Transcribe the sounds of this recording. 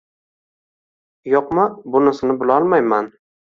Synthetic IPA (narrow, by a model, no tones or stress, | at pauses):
joqmabʊnɪsɪnɪbʊlˠɒlˠmajman